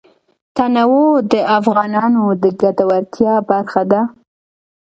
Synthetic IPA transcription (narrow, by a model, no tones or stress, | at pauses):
t̪anawod̪əafɣɑnɑnod̪əɡad̪awaɾt̪ʰjɑbaɾxad̪a